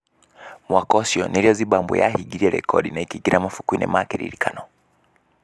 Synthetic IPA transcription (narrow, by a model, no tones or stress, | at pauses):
mwakɔsjɔniliɔziɓambṵja̰ɦiɡiɾiɛlɛ̰kʰɔɗinaikiɡiɾamafukuinɛ̰makɛɾḭɾikʰanɔ